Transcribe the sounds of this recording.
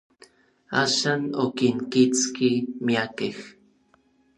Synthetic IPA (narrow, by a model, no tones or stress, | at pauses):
aʃanokinkit͡skimiakex